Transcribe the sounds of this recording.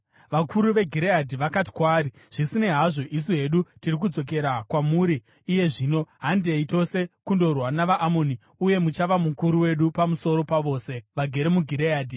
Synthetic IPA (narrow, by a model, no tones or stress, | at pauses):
ʋakʰuɾuʋe̞ɡʱiɾeadʱiʋakat̬i̥kwaːɾi | ʐ̥isine̞ɦaʐo̞ʔis̬uɦe̞ɗutirik̬ud͡zo̞k̬e̞ɾakwamuɾiː | je̞ʐiːno̞ɦandeito̞se̞kundo̞rwanaʋaʔamo̞ni | uje̞mut͡ʃaʋamukuɾuwe̞ɗupamuso̞ɾo̞paʋo̞ːse̞ʋaɡʱeɾemuɡʱiɾeaːdʱi